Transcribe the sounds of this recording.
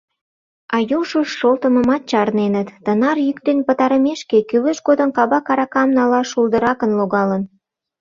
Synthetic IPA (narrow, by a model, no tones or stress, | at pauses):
ɑjuʒoʃːolt̪ə̆mə̆mɑt̪̚t͡ɕɑrnenət̪ːənɑrjykt̪enpə̆t̪ɑɾəmeʃkekyləʃɡod̪ə̆nkɑβɑkɑɾɑkɑmnɑlɑʃuld̪əɾɑkənloɣɑlən